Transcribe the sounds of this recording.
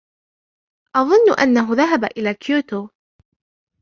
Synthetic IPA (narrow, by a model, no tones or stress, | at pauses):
ʔɑðˤʊnːʊʔa̰nːaɦʊðaɦabaʔɪlaːkjuːt̪oː